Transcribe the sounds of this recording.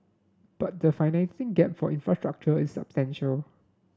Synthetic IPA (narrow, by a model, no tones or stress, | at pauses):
b̥at̚dəfaɪnɛ̃nsɪ̃ŋɡɛp̚fɔ̰ʔĩnfɹastɹak̚t͡ʃəɪsːa̰pstɛ̃nʃəl